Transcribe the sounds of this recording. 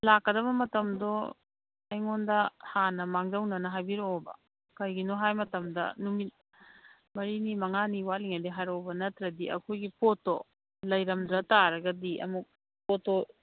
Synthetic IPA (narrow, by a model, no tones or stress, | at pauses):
lakːɐdɐβɐmɐtɐmdo | ɐjŋondɐhanɐmaŋdɐwnɐnɐɦajbiɾobɐ̰ | kɐjɡinoɦajmɐtɐmdɐ̰numit̚ | mɐɾinimɐŋaniwaliŋɐdiɦajɾowbɐnɐtɾɐdiɐ̰kʰojɡipʰoto | lɐjɾɐmdɾɐtaɾɐɡɐdiʔɐ̰muk̚ | poto